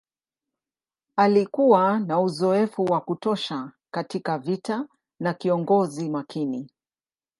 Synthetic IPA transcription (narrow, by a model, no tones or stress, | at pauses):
alikuwanauzɔɛfuwakutɔʃa | katikavita | nakiɔŋɡɔzimakini